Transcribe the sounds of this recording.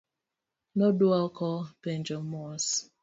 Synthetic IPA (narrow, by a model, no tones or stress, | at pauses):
nodualkʰɔlpɛnd͡ʒɔmɔs